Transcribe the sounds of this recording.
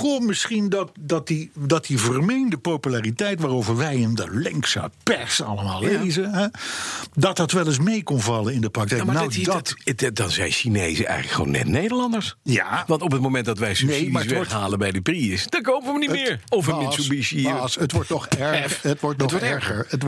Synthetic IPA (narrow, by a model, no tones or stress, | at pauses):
kɔmmɪsχindɑt̚dɑtdidɑtivəɹmejndəpowpylaːritɛjtʋaːɾowvəɹʋɛjəndəlɛŋksa̰pɛɹsɑ̰ləmaːlˠːejzəɦɛ | dɑtɑtʋɛlˠɪs̬mejkɔnvɑlənɪndəprɑk̚tɛjkːnaɛwdtdɑnzɛ̰jnʃinejzəʔɛ̰jχələkχəʋo̰ːwnːɛ̰tnejdəɹlɑndəɹsjaːʋɑntɔpət̚mowmɛnt̚dɑtʋɛjsnejmaːəsʋɛɔɹɦaːləbɛjdəpriəsd̥akowpəəʋənimɪːɹɔfənɛsobissətʋɔɹtnɔχɛɹətʋɔɹtnɔɔɛɹχəɹət